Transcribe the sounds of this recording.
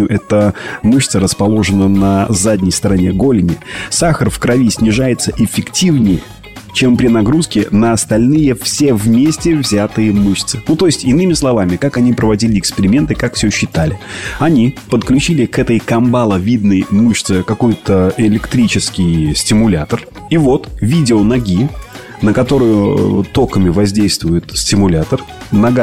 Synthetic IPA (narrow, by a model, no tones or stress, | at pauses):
ʊʔɛt̪əmɨɕt̪səɾəspɐlˠo̞ʐɨnənəzadʲnʲɪjst̪əɾɐnʲeɡo̞lʲɪnʲɪsaxərfkɾɐvʲisʲnʲɪʐajɪt̪səʔɪfʲːɪktʲivnʲɪjə | t͡ɕe̞mpɾʲɪnɐɡɾuskʲɪnəɐst̪ɐlʲnɨjəfsʲe̞vmʲesʲtʲɪvzʲat̪ɨjəmɨɕt̪sɨnut̪o̞jɪsʲtʲɪnɨmʲɪslˠɐvamʲɪkakɐnʲipɾəvɐdʲilʲɪɪkspʲɪɾʲɪmʲe̞nt̪ɨkakfsʲɵɕːɪt̪alʲɪɐnʲipət̪klʲʉt͡ɕilʲɪkɛt̪əjkɐmbalˠəvʲid̪nəjmuɕt̪sɨkɐko̞jt̪əɪlʲɪkt̪ɾʲit͡ɕɪskʲɪjsʲtʲɪmʊlʲat̪ər | ivo̞t̪vʲidʲɪonɐɡʲi | nəkɐt̪o̞ɾʊjʊt̪o̞kəmʲɪvɐzʲdʲejst̪vʊjʊt̪sʲtʲɪmʊlʲat̪ərnɐɡa